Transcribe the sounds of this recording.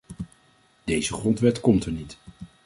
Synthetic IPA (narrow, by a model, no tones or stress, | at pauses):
d̥ejzəχrɔntʋɛtkɔmtəɹnit